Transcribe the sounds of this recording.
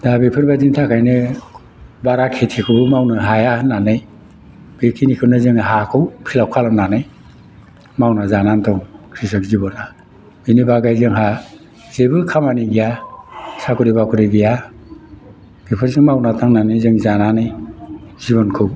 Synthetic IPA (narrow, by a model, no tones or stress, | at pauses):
d̥abipʰɯɾbaziŋtʰakʰajnɯ | baɾakʰetʰikʰɯbɯmawnɯɦajahɯnːanɯj | b̥ekʰinikʰɯnɯzɯŋɦakʰɯwpʰilawkʰalɔnanɯj | mawnazanantʰɔŋkʰɾisɔk̚zibɔna | binibaɡajzɯŋɦa | zebɯkʰamaniɡijasakʰuɾibakʰuɾibija | b̥ipʰɯɾzɯŋmawnatʰaŋnanɯjzɯŋzananɯjziβɔnkʰɯw